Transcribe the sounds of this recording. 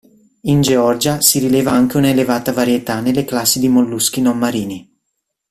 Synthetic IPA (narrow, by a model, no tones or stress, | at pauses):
ind͡ʒeɔrd͡ʒasiɾileːvaaŋk̟eunaelevaːt̪avaɾjet̪anelːeklasːid̪imolːusk̟inomːaɾiːni